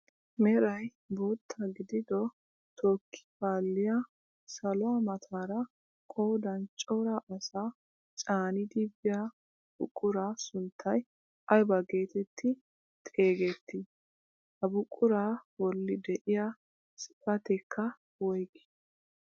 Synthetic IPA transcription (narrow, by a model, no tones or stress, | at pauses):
mɛɾɐj | bo̞ːt̪ʰːɐɡɪd̪ɪd̪ɔ | t̪ʰoːkʰːɪ̥baːlːɪja | sɐlɔwɐmɐt̪ʰaːɾɐ | kʼoːd̪ɐnt͡ʃʼɔɾaʔɐsaː | t͡ʃʼaːnɪd̪ɪbɪja | b̥ʊ̰kʼːʊɾaːsʊnt̪ʰːɐj | ʔɐjbɐɡe̞ːt̪ɛt̪ʰːɪ | t̪ʼe̞ːɡɛt̪ːɪ | hɐbʊkʼːʊɾaːwɔlːɪd̪ɛʔɪja | sɪ̥pʼɐt̪ɛkʰːɐ | wɔjkɪ̥